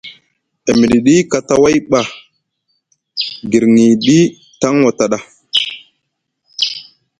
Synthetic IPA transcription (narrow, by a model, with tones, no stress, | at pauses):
e˨mi˨ɗi˨ɗi˦ka˨ta˦wa˦jɓa˨ | ɡi˨ɾŋi˨ɗi˦ | ta˦ŋwa˨ta˨ɗa˦